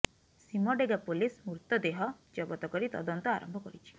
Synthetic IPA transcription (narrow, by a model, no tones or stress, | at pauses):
simɔɖeɡapolismuɾt̪ɔd̪eɦɔd͡ʒɔɡɔt̪ɔkɔɾit̪ɔd̪ɔnt̪ɔaɾɔ̰mbʱɔkɔɾit͡ʃʰi̥